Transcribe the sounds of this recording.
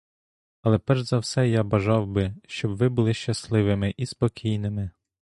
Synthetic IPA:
ɐlˠɛpɛʒzɐwsɛjabɐʒɑwbɪʃt͡ʃɔbʋɪbʊlˠɪʃt͡ʃɐslˠɪʋɪmɪʔispɔkʲʰijnɪmɪ

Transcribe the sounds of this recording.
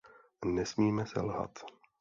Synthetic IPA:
nɛsmiːmɛsɛ̰lɦa̰t̪

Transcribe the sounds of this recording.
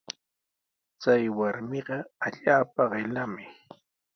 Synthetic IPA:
t͡sajwaɾmɪɢɑaʎaːpaɢɪlamɪ

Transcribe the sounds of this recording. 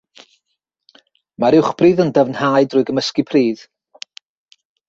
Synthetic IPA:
maɾɪwχb̥riːðəndəvnhaɨdrʊɨɡəməskipʰriːð

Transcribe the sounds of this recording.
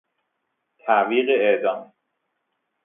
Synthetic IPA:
t̪ʰæʔviːɢeed̪ɒːm

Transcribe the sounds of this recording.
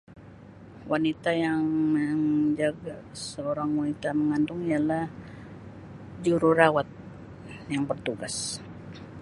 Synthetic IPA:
wʔanit̪ajaŋməŋd͡ʒaɡasəoɾaŋwanit̪aməŋant̪ʊŋialah | d͡ʒuɾurawat̪̚ | jaŋpərt̪uɡas

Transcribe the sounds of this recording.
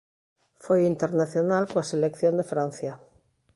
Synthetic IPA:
fojint̪eɾnaθjonalkoaselekθjõnd̪efɾãn̟θja

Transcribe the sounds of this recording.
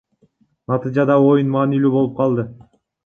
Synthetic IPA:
nɑt̪ɨd͡ʒɑd̪ɑo̞junmɑːnilʲybo̞lˠup̚qʰɑlˠd̪ɯ

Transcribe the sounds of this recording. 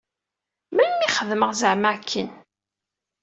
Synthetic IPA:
mæmiχəðməʁzəʕmakʰːən

